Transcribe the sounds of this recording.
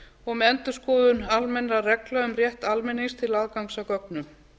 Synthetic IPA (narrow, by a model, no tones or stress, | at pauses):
ɔɣmɛɛnt̪ʏ̥skɔːðʏnalmɛnɾarɛklœʏmrjɛht̪almɪnːiŋst̪ʰɪlaðkawŋsakɔknʏm